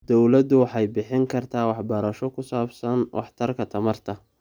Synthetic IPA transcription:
d̪̥ɔwlɐd̪ʊwɑħɑjbɪħɪŋkʰɐrt̪ʰaːwɑħbɐɾɐʃɔkʰʊsaːbsɐnwʔɑ̰ħt̪ʰɐrkʰɐt̪ʰɐmɐrt̪ʰɐ

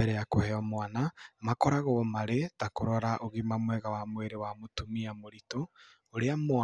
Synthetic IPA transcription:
ɛɾɛjakohɛɔmwanamakɔɾaɣɔmaɾetakoɾɔɾaʔoɣimamwɛɣawamweɾewamotumiamoɾitoː | ɾeamo

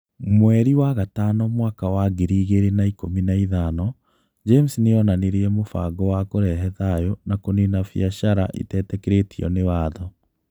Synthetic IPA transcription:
mwɛɾiwaɣatanɔmwaːkawaɡeɾiɣeɾenaikominaiðanɔ | d͡ʒemsneɔnaneɾiɛmofaɡɔwakoɾɛɦɛðajonakonenafiaʃaɾa̰ʔḛtɛtɛkeɾetʰiɔ̰newaːðɔ

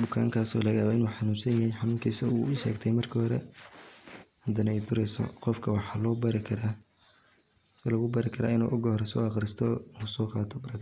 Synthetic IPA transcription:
bʊkʰaːŋkʰaːsɔːlɐɣaːβaɪnwuħħɑnuːnsɐnjɐɦɛjħɑnuːŋkʰɐɪsɐɣṵʊʃɛ̰ːɡt̪ʰɛjmɐrkʰɐhɔɾɛ̰ | hɐd̪ɐnɐɛjd̪ʊɾɛjsɔ̰qɔfkʰɐwɑħɑːlɔːbɐɾɪkʰɐɾaː | slɐɣʊbɐɾɪkʰɐɾa̰ːɪnṵːʔʊɡɔhɔɾɛsɔ̰ːɑqɾɪst̪ʰɔusɔːqɑːt̪ʰɔbɾɐɡ

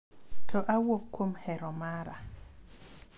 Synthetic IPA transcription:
tʰɔʔawopkːwomhɛɾɔmaɾa

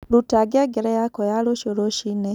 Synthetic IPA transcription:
lutaɡeɡeɾɛjakɔjaloʃoɾoʃine

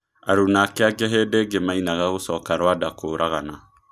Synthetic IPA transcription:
a̰ɾunakɛaɡɛɦedeɡemãinaɡakosɔkaɾwadakoɾʔakana

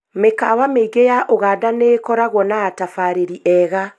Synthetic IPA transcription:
mekawameiɡejaʔoɣaːdanekɔɾaɣwɔnaːtafaɾeɾiʔɛɣa

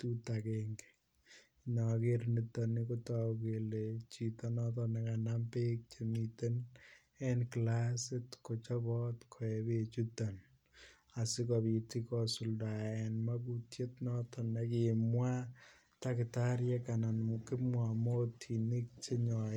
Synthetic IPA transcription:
tutakeŋɡe̥ | ɲɔkeɾnitɔnikotakelet͡ʃitɔnɔtɔnɛkanampek̚t͡ʃemiten | ɛnklasɪtkot͡ʃɔbɔtkʰɔɛbet͡ʃutɔn | asɪkɔβitikɔsuldaɛnmak̬utjetnɔtɔnɛkɪmwa | takɪtaɾjɛkananmkɪmwamotʰinik̚t͡ʃeɲɔ

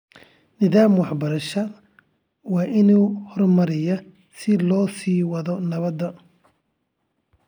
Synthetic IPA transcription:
nɪðaːmwɑħbɐɾɐʃɐ | wɑːʔɪnuːhɔrmɐɾɪjɔ | sɪlɔːsiːwɐðɔnɐβɐd̪ːɐ

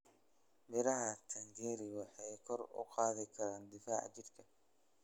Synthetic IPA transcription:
mɪɾɐɦɐt̪ʰɐŋɡɛːɾɪwɑħɑjkʰɔrʊ̰qɑːðɪkʰɐɾaːnd̪ɪfaːʕt͡ʃɪrkʰɐ

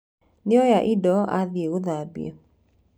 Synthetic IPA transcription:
nɪɔjaʔidɔaðieoðabḭḛ

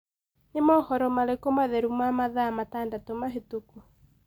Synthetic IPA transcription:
nemɔhɔɾɔmalekɔmaðɛɾumamaðamatandatɔmaɦetuku

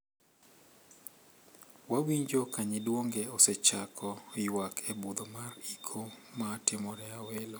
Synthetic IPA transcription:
wawiɲd͡ʒokaɲɪdwoŋɡɛɔsɛt͡ʃakʰɔjwakʰebud̪omarikʰomatɪmɔɾɛawelo

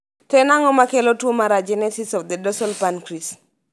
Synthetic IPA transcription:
tɛnaŋɔmakelotwomaɾad͡ʒɛnɛsisɔfd̪edɔsɔlpankɾis

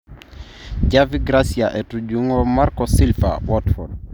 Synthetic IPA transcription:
d͡ʒaviɡɾasiaʔɛtud͡ʒuŋɔmaɾkɔsilfa̰wɔtfɔd

